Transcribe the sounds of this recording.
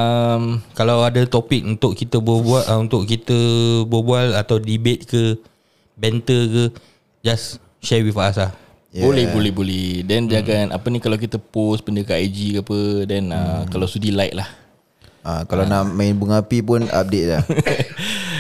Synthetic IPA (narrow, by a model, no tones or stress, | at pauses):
əmkalawadət̪opik̚unt̪ʊʔkit̪əbabuaʔunt̪ʊʔkit̪əbuabualat̪awdibet̪̚kə | bɛnt̪əkə | d͡ʒas | ʃɛwifasa | jbolɛhbolɛhbolɛdɛndiaɡanʔa̰pənĩkalawk̬it̪əpospəndəkəajd͡ʒikapədɛnakalawsudilaɪʔ̚lah | ʔakalanaʔmãnbuŋapipʊna̰p̚det̪̚la̰